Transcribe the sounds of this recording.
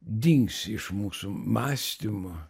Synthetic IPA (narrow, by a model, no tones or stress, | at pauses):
d̪ʲiŋksɪʃmuːsʊmaːsʲt̪ʲɪmʊ